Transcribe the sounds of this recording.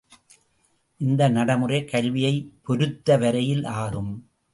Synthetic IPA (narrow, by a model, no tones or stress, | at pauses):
ʔɪnd̪ɐnɐɽɐmɯrɐɪkɐɭʋɪjɐɪpɔɾɯt̪ːɐʋɐɾɐjɪlʔaːɣɯm